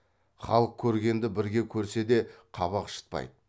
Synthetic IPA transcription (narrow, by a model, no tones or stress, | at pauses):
χɑlˠəq̚kʲʰɵɾɡʲe̞nd̪ɪbɪɾɡʲe̞kʲʰɵɾse̞d̪e̞qʰɑβɑqʃə̥t̪̚pɑ̰jd̪ə